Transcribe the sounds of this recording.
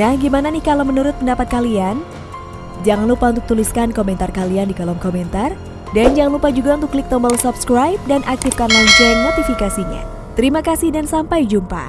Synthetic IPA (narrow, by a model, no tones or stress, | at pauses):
ahɡimananɪhkalamənuɾʊt̪̚pəndapat̪̚kalian | d͡ʒaŋanlupaunt̪ʊk̚t̪uliskankomɛnt̪arkaliandikalɔmkomɛnt̪ar | dand͡ʒaŋanlupad͡ʒuɡaunt̪ʊklɪk̚t̪ɔmbɔlsupskɾajp̚danʔak̚t̪ifkanlaɲt͡ʃʊrnot̪ifikasiɲa̰ | t̪əɾimakasɪhdansampajd͡ʒumpa̰